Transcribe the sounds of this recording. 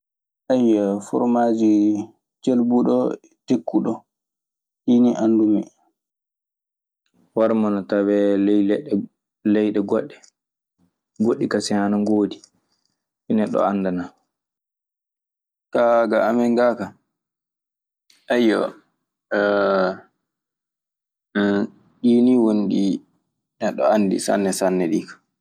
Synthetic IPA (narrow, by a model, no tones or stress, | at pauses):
ʔajːɔfɔ̰ɾmad͡ʒi | d͡ʒelbuɗɔ | dekːuɗɔ | hiniʔandumɛ̰ | waɾmanatawɛlɛɛɗ | lɛjɗɛɡɔɗːɛ | ɡoɗːikasɛhanaŋɡoːdi | inɛɗːɔ̰anːdana | kaɡaamɛŋɡaka | ajɔ̰ | ɗiːniwonɗi | nɛɗːɔandḭsa̰nːɛsanːɛɗikḁ